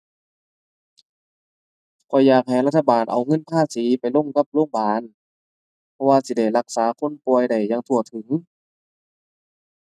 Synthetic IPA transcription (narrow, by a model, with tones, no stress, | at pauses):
kʰɔː˨˧˩jaː˧˩k̚ha˨˩jla˧t̪ʰːa˧baː˨˩nʔa̰˨˩wŋɤ˧˥˨npʰaː˧˥˨siː˨˦pa˨jlo˧˥˨ŋka˧˦p̚loː˧˥˨ŋbaː˨˦n | pʰɔ˧waː˧si˧˦da˧˩jla˧k̚saː˨˦kʰo˧˥˨npuː˧əjda˧˨˩jːaː˧ŋt̪ʰu˧˩ɐt̪ʰɯ˨˩˦ŋ